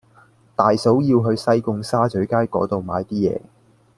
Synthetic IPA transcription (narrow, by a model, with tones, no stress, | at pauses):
t̪aː˨jso˨˥wjiː˧wɦɵ˨˧ɥsɐ˥jkʊ˧ŋsaː˥t͡sɵ˨˥ɥkaː˥jkɔ̰ː˨˥t̪o˨wma̰ː˨˧jt̪iː˥jɛ̰ː˨˧